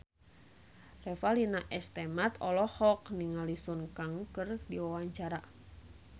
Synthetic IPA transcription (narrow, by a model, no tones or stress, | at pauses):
rɛfalinaʔɛst̪ɛmat̪ʰɔ̰lɔhɔkniŋalisunkaŋkɨrdiwawaɲt͡ʃaɾa